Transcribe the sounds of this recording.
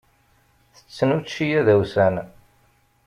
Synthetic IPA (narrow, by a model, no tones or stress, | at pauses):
θə̥t͡sːənuʃːijæðæwsæn